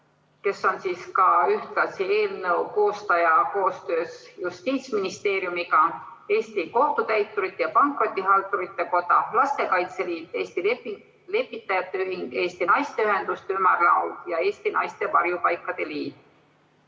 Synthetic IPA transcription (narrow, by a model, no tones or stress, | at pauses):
ke̞sːo̞nsiːskɑyht̪lɑsie̞ːlnɤuko̞ːst̪ɑjɑko̞ːst̪øːsjust̪iːt̪sminist̪e̞ːɾjumiɡɑe̞ːst̪iko̞ht̪ut̪æjt̪ːˑuɾit̪ːˑejɑpɑŋkro̞d̪iɦɑlt̪uɾit̪ːˑe̞ko̞d̪ɑ̰lɑst̪e̞kɑjt̪seliːd̪eːst̪ilepi | le̞pːit̪ːˑɑjɑt̪ːˑe̞yɦiŋɡ̥e̞ːst̪inɑjst̪e̞yɦe̞nd̪̥ust̪eymɑrlɑ̰wd̪jɑe̞ːst̪inɑ̰jst̪e̞vɑrjupɑjkˑːɑd̪̥e̞liːd̪̥̚